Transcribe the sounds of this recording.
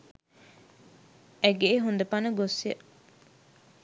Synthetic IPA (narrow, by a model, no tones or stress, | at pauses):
æɡeeɦund̪ɐpanəɡosiə̰